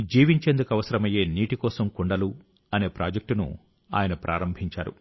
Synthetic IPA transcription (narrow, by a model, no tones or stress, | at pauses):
d͡ʒiːʋiɲt͡ʃe̞ːnd̪ukɐʋɐsɐɾɐmɐje̞ːniːʈikɔːsɐmkuɳɖɐlu | ɐne̞ːpɾaːd͡ʒek̚ʈunṵ | a̰ːjɐnɐpɾʔa̰ːɾɐmbʱiɲt͡ʃa̰ːɾṵ